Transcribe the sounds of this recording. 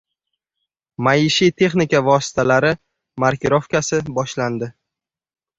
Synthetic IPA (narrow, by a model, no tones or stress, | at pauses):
majɪʃit̪ʰe̞χnɪkʲavɒsɪ̥t̪ʰalaɾɪ | maɾkʰʲɪɾofkʲasɪbɒʃland̪ɪ